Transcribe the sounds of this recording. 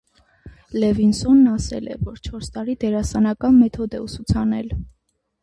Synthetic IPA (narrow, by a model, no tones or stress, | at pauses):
lɛvinsɔnːɑsɛ̰lɛ̰vɔɾt͡ʃʰɔɾst̪ɑɾid̪ɛɾɑsɑnɑkɑnmɛt̪ʰɔd̪ɛusut͡sʰɑnɛl